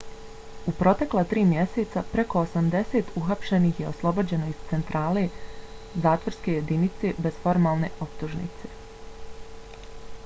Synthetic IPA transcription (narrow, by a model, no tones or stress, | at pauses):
upɾo̞t̪e̞klˠat̪ɾiːmje̞se̞t̪sapɾe̞ko̞osamd̪e̞se̞ːt̪uxapʃe̞niçje̞o̞slˠo̞bo̞d͡ʑe̞no̞iz̥t̪se̞nt̪ɾaːle̞ | zaːt̪ʋo̞ɾske̞je̞d̪init̪se̞be̞zfo̞ɾmaːlˠne̞ʔo̞p̚t̪uʒnḭt̪se̞